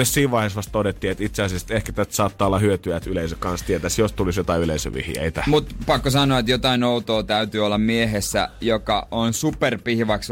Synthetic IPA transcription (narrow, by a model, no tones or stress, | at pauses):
essiːʋʋɑˑiheːsʋɑst̪todet̪ːiːet̪it̪seɑsiɑst̪ehkæ̥t̪æst̪sɑːt̪ːɑːolːɑhyøt̪yæt̪yleisøkkɑnst̪iet̪æsjost̪ulisjot̪ɑiyleisø̰ʋḭhjḛit̪æmut̪pɑkːosɑnˑoɑet̪jot̪ɑinout̪oːt̪æyt̪yːolːɑmmieɦesːæ̰jokɑʔonsuperpihʋɑks